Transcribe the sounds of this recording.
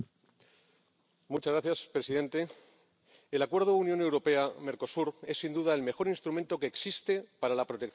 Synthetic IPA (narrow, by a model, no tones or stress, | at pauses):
mut͡ʃazɣɾaθjaspɾe̞siðẽ̞nt̪e̞ː | lakwe̞ɾð̞ounjõ̞ne̞wɾo̞pe̞ame̞ɾko̞suɾe̞sːind̪uðae̞lme̞xo̞ɾinst̪ɾument̪o̞ke̞ːksist̪e̞paɾalapɾo̞t̪ekθ